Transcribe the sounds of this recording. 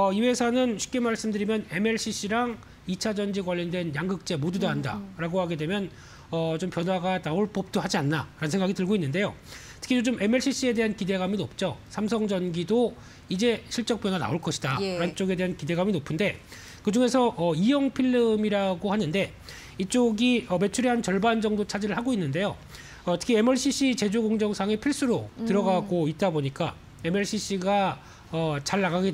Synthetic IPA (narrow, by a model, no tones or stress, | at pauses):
ʌiwe̞sʰanɯnɕʰi̥k͈emaɭs͈ɯmdɯɾimjʌne̞me̞ɭɕ͈ʰiɕ͈iɾaŋ | it͡ɕʰad͡ʑʌnd͡ʑiɡwaʎːindwe̞njaŋɡɯk̚t͡ɕ͈e̞modudaɦanda̰ɾaɡohaɡe̞dwe̞mjʌn | ʌt͡ɕompjʌnɦwaɡanaoɭp͈ʌp̚t͈oɦad͡ʑianːaɾanɯnsʰeŋɡaɡitɯɭɡoinːɯnde̞jotʰɯ̥kʰid͡ʑod͡ʑomʔe̞me̞ɭɕ͈ʰiɕ͈ie̞de̞ɦankide̞ɡaminop̚t͡ɕ͈osʰams̬ʰʌŋd͡ʑʌnɡido | id͡ʑe̞ɕʰiɭt͡ɕ͈ʌŋp͈jʌnana̰oɭk͈ʌɕʰidaɾant͡ɕ͈oɡe̞de̞ɦankide̞ɡaminopʰɯnde̞ | kɯd͡ʑuŋe̞sʰʌʔʌijʌŋpʰiɭːɯmiɾaɡohanɯnde̞ | it͡ɕ͈oɡiʌme̞t͡ɕʰuɾiɦant͡ɕʌɭband͡ʑʌŋdot͡ɕʰad͡ʑiɾɯɭhɦaɡoinːɯnde̞jo | ʌtʰɯ̥kʰiemʌɭɕ͈ʰiɕ͈it͡ɕe̞d͡ʑoɡoŋd͡ʑʌŋsʰaŋepʰiɭs͈uɾotɯɾʌɡaɡoit̚t͈aboɲik͈a | e̞meɭɕ͈ʰiɕ͈iɡa | ʌt͡ɕaɭːaɡaɡe